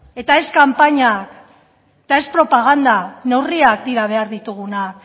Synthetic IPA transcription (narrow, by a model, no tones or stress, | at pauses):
e̞t̪ae̞skampaɲak | et̪ae̞spɾo̞paɣ̞and̪ane̞wriak̚d̪iɾaβ̞e̞aɾðit̪uɣunak̚